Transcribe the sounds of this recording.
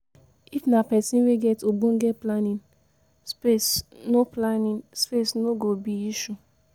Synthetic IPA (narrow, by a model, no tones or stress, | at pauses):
ifnapɛsĩnweɡɛtobõŋ̩ɡɛtplanĩn | spesnoplanĩnspesnoɡobiiʃu